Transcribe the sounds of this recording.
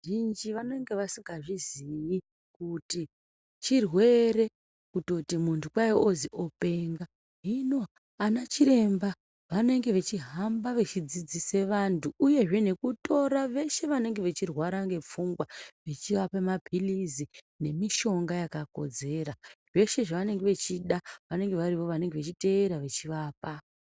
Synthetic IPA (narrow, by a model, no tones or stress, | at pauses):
ʒind͡ʒiʋane̞ŋɡe̞ʋasiŋɡaʐiziji | kuti | t͡ʃirwe̞ɾe̞ | kuto̞timuntukwaioziʔo̞pe̞ŋɡa | ɦino̞ | anat͡ʃiɾe̞mba | ʋane̞ŋɡe̞ʋe̞t͡ʃiɦambaʋe̞t͡ʃid͡zid͡zise̞ʋantʰuːje̞ʐe̞ne̞kuto̞ɾaʋe̞ʃe̞ʋane̞ŋɡe̞ʋe̞t͡ʃirwaɾaŋɡe̞p͡fuŋɡwaʋe̞t͡ʃiʋapemabʱilizi | ne̞miʃo̞ŋɡajakako̞̰d͡ze̞ːɾaʐe̞ʃe̞ʐaʋane̞ŋɡeʋe̞t͡ʃiɗaʋane̞ŋɡe̞ʋaɾiʋo̞ʋane̞ŋɡe̞ʋet͡ʃite̞eɾaʋe̞t͡ʃiʋaːpa